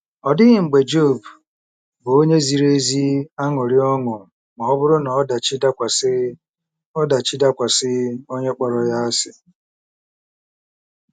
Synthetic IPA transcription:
ɔ˨dɪ˦ɣɪ˨ŋ͡m̩˨ɡ͡be˨d͡ʒo˦˨b | bʊ˨o˦ɲe˦zi˨ɾe˦zi˦a˦ŋɔ˨ɾɪ˦ɔ˦ŋʊ˨ | mɔ˨ɔ˦bʊ˦ɾʊ˦nɔ˨˦da˨t͡ʃi˦da˦kʷa˨˦ | ɔ˦da˨t͡ʃi˦da˦kʷa˨sɪ˦o˦ɲe˦k͡pɔ˨ɾɔ˨ja˦a˦sɪ˨

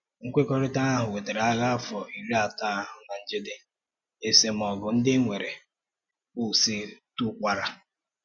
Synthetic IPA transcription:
ŋ̩˦kʷe˦kɔ˦ɾɪ˦ta˦a˦ɦʊ˨we˨de˨ɾa˦ɣa˦fɔ˨i˨ɾi˦a˨ta˦a˦˨ɦʊ˨na˨n̩˦d͡ʒe˦dɪ˦ | e˦se˦m˦ɔ˨ɡʊ˨n̩˦dɪ˦ŋʷe˨ɾe˨ | u˦˨si˦tu˦kʷa˦ɾa˨

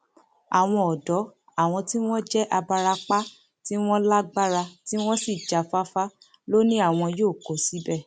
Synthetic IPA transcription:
a̰˨w̃ɔ̃˧ɔ˨dɔ˨˦ | a˦˨w̃ɔ̃˧ti˦w̃ɔ̃˦d͡ʒɛ˦ʔa˧ba˧ɾa˧k͡pa˦ | ti˦w̃ɔ̃˦la˦ɡ͡ba˦ɾa˧ti˦w̃ɔ̃˦si˦˨d͡ʒa˨fa˦fa˦ | lo˦nĩ˦a˦˨w̃ɔ̃˧joː˦˨ko˨˦si˨˦bɛ˦˨

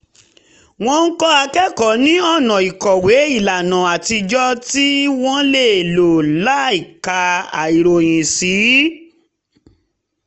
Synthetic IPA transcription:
w̃ɔ̃˧n̩˦kɔ˦a˧kɛ˦kɔ˨˦nĩ˦ɔ˦˨nã˨i˨kɔ˨we˨˦i˦˨la˨nã˨a˨ti˧d͡ʒɔ˦ti˦w̃ɔ̃˦le˦˨lo˨la˨˦i˦˨ka˧a̰˨i˨ɾo˨j̃ĩ˨si˨˦

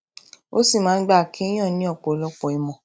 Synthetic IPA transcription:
o˦si˦˨mãː˨˦n̩˦ɡ͡ba˦˨kʰĩ˦i˦j̃ɔ̃˦˨nĩ˨˦ɔ˦˨k͡po˨˦lɔ˧k͡pɔ˨i˨mɔ̃˨

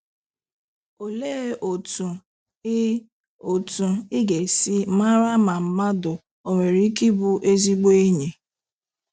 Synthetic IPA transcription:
o˨le˦ʔo˨tu˨˦ | o˨tu˨i˦ɡe˨si˦ma˦ɾa˦ma˨m̩˨˦ma˦dʊ˨ | o˨ŋʷe˨ɾi˦ki˦bʊ˦ʔe˦zi˦ɡ͡be˦e˦ɲe˨

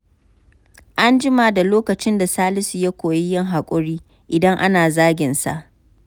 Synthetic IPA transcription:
ʔa˦nd͡ʒɪ˦ma˨da˨loː˦kɐ˨t͡ʃɪ˦nda˨saː˦lɪ˦si˨ja˦kʷoː˨ji˦jɪ˦ŋɦa˨kʷʼʊ˦ɽiː˦ | ʔɪ˨dɐ˦ŋʔa˦naː˨zaː˦ɡʲɪ˨nsa̰˨ʔ

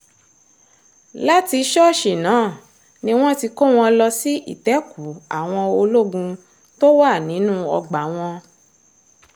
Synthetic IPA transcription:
la˦ti˧˦ʃɔ˦˨ʃi˨nãː˨˦˨ | nĩ˦w̃ɔ̃˦ti˧ko˦w̃ɔ̃˧lɔ˧si˦ḭ˦˨tɛ˨˦ku˨˦a̰˨w̃ɔ̃˧o˧lo˦ɡũ˧ | to˦wa˦˨nĩ˨˦nũ˦ɔ˧ɡ͡ba˨˦w̃ɔ̃˧

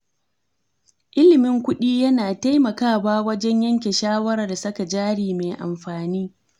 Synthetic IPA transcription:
ʔɪ˦lɪ˨mɪ˦ŋkʷʊ˦ɗiː˦jɐ˦naː˨ta˦jmɐ˨kaː˦waː˦wɐ˦d͡ʒɛ˦ɲjɐ˦ŋkʲe˨ʃaː˦wɐ˦ɾa˨rda˨sɐ˦ka˨d͡ʒaː˦ɽiː˨me˨jʔa̰˨mɸaː˨niː˦

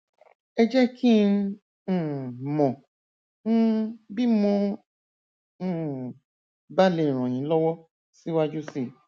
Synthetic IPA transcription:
ɛ˧d͡ʒɛ˦kʰĩ˦˨ | mɔ̃˨ | ñ̩˦bi˦mɔ̃˧˦˨ | ba˦lẽ˨˧˨ɾ̃ɔ̃˨j̃ĩ˨˦lɔ˦wɔ˦ | si˦wa˦d͡ʒu˦si˦˨

